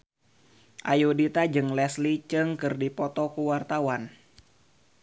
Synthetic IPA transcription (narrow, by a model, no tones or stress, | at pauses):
ʔajudit̪ad͡ʒɨŋlɛslit͡ʃɨŋkɨrdipɔt̪ɔkuwart̪awan